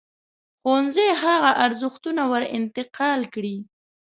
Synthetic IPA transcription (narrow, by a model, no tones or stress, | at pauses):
xonzeɦaɣaʔaɾzʊxt̪unawəɾɪ̰nt̪ɪqɑlkɽi